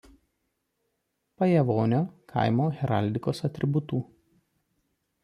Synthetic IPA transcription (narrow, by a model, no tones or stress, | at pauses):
pɐjɛʋoːnʲoːkʰɐ̰ɪmoːɣʲɛɾɐ̰ˑlʲd̪ʲɪkoːsɐt̪ʲɾʲɪbʊt̪uː